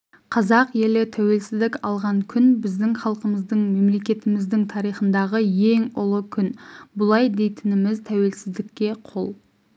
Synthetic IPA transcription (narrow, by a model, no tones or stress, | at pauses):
qʰɑzɑqje̞lɪt̪ʰæwe̞lsɪzd̪ɪkʲɑlˠʁɑɴkʲʰʏnbɪzd̪ɪŋχɑlˠqəməzd̪əɴme̞mle̞kʲe̞t̪ɪmɪzd̪ɪŋt̪ʰɑɾijχənd̪ɑʁəje̞ŋʊlˠəkʲʰʏnbʊlˠɑjd̪e̞jt̪ɪnɪmɪzt̪ʰæwe̞lsɪzd̪ɪkʲːe̞qʰolˠ